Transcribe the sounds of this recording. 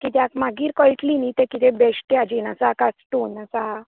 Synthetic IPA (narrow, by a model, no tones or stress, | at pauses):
kit̪jakmaɡiːɾkɔjʈlinit̪ekit̪ebeɕʈ̪ead͡ʑinasakasʈuːnasa